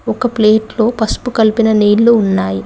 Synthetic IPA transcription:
ɔkɐpleːʈlo̞ːpɐspukɐlipinɐneːlːuunːaːji

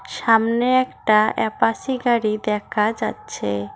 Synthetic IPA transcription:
ʃamneɛkʈaɛpasiɡaɽid̪ɛkʰad͡ʒatːt͡ʃʰe

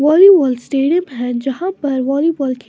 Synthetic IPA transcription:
ʋɔːliʋɔːlsʈeːɖijəmɦɛ̃d͡ʒɐhãpɐɾʋɔːliʋɔːlkʰ

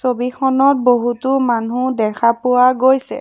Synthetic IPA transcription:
sobikʰɔnɔt̚boɦutʊmanudɛkʰapʊwaɡojsɛ̰

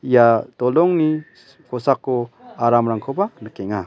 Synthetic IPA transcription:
ijatɔlɔŋni | kɔsakːɔaɾamɾaŋkʰɔbanəkɛŋa

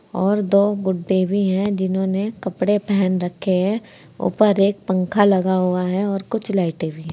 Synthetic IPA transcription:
ɔːɾd̪oːɡʊɖːebʱiɦɛ̃d͡ʒɪnɦõːnekɐpɽepɛɦɛnɾɐkʰːeɦɛ̃ | ʊ̰pəɾeːk̚pə̃ŋkʰalɐɡaɦuaɦɛɔːɾkʊt͡ʃʰlaːɪʈebʱiɦɛ̃

